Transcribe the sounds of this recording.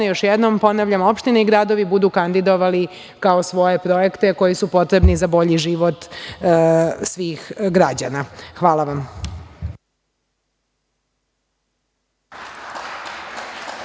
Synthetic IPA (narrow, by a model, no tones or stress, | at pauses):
jo̞ʃjed̪nompo̞naʋʎamo̞pʃt̪ineiɡɾad̪o̞ʋibud̪ukand̪id̪o̞ʋali | kaosʋo̞je̞pɾo̞je̞kt̪e̞ko̞jisupo̞t̪ɾe̞bnizabo̞ʎiʒiʋo̞t̪ | sʋiːxɡɾad͡ʑanaxʋaːlaʋam